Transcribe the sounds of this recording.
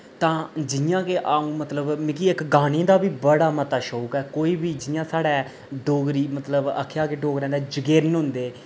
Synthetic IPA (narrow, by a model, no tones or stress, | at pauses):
t̪ãːd͡ʒɪjãːkeːʔaːũːmət̪ləbmɪkiɪkɡaːñẽːd̪aːbiːbəɽaːmət̪aːʃoːkɛːkoːiːbiːd͡ʒɪjãːsaːɽɛː | ɖoːɡɾiːmət̪ləbə̰kʰːejaːkeːɖoːɡɾɛ̃ːnd̪ɛːd͡ʒəɡeːɾnɦʊ̃nd̪eː